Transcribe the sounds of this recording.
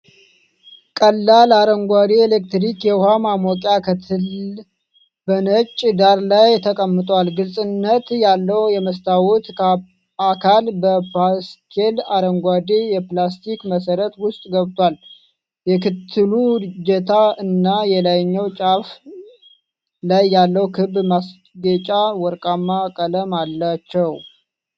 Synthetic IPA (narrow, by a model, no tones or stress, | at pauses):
kʼəlːalaɾəŋɡʷad̪eelek̚t̪ɾikjɛhamamɔkʼakʰt̪ʰ | bənət͡ʃʼːd̪aɾlajt̪ʰəkʼəmːɨt̪ʼwalɡɨlsʼɨnːət̪jalːəwjɛməst̪ʰawut̪ | akʰalbəpaskʰelaɾəŋɡʷad̪ijɛplast̪ʰikməsəɾət̪wʊst̪ʼɡəβt̪ʰʼwal | jɛkɨt̪ʰːɨlud͡ʒɛt̪ʰaɨnːajɛlajɲːəwt͡ʃʼaf | lajːalːəwkʰɨbmas | ɡət͡ʃʼawɔɾkʼamːakʼələmalːat͡ʃːɛw